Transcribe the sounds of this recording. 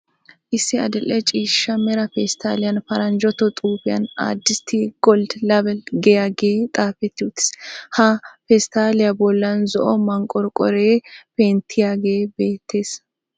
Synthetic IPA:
ʔɪsːɪɐ̰d̪ɪlːɛt͡ʃʼiːʃːɐmɛɾɐfɛst̪aːlɪjɐnfɐɾɐnd͡ʒɔt̪ɔt̪ʼuːfɪjɐ̰na̰ːd̪ːɪst̪ʰiɡ̥ɔld̪lɐbɛlɡɛjaːɡeːt̪ʼaːfɛt̪ːɪʊt̪ːɪ̥shɐfɛst̪aːlɪjɐbɔlːɐnzɔʔɔmɐŋkʼɔɾkʼɔ̰ɾeːfeːnt̪ʰːɪjaːɡe̞ːbe̞ːt̪ʰːe̞ːs

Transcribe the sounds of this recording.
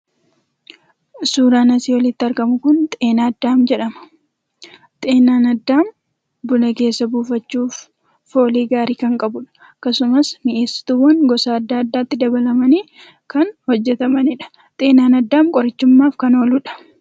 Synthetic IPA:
suːɾaːnɐsiːwɐlɪt̪ːɪɐɾɡɐmʊkʊnt̪ʼeːnaːɐd̪ːaːmd͡ʒɛᶑɐmɐ̥ | t̪ʼeːnaːnɐd̪ːaːm | bʊnɐke̞ːsːɐbuːfɐt͡ʃːuːf | fo̞ːliːɡaːɾiːkɐŋkʼɐbʊᶑɐ̥ | kːɐsʊmɐsnɪʔeːsːɪ̥t̪uːwɐŋɡɔsaːɐd̪ːaːɐd̪ːaːɪt̪ːɪd̪ɐbɐlɐmɐniː | kɐnhɔd͡ʒːɛt̪ɐmɐnɪᶑɐ̥ | t̪ʼeːnaːnɐd̪ːaːmkʼɔɾɪt͡ʃːʊmːaːfkɐno̞ːluːᶑɐ̥

